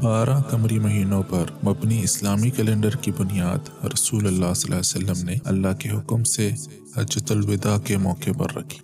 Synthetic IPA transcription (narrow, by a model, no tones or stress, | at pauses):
baːɾʔãkɐmɾimɐɦiːnõpɐɾmɐbniɪslaːmikɛlẽːɳɖəɾkibʊnijaːd̪ɾɐsuːlɐlːaːsɐlʔa̰ːjsɐlːəmneɐ̰lːaɦkeɦʊkmse | ɐd͡ʒət̪ʊlwɪd̪akemɔːkepɐ̰ɾːɐ̰kʰi̥ː